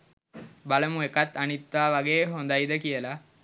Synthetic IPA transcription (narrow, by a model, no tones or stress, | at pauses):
baləmuekat̪ːanit̪ːʋaːʋaɡeːɦond̪ajd̪əkijəla